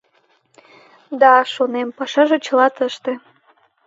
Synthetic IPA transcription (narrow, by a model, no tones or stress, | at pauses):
d̪ɑʃonempɑʃɑʒet͡ɕə̆lɑt̪əʃt̪e